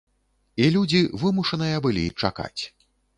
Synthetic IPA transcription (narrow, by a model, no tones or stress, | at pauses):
ilʲud͡zʲivɨmuʂɐnɨjɐbɨlʲḭt͡ʂaka̰t͡sʲ